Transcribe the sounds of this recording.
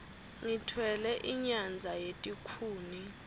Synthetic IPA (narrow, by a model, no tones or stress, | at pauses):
ŋitʰwɛlɛʔiɲand͡zʱajetʼikʰuːni